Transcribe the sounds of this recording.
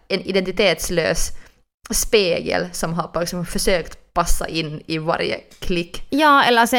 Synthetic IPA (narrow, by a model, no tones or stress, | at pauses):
ɛnɪd̪ɛnt̪ɪt̪ʰeːt̪slø̰ːs | speːɡə̰lsɔmɦaɾfɑsɔmfœʂøːkt̪pʰasːa̰ʔɪnːɪva̰ɾjə̰kʰlɪkːjɑːɛlːəsɛ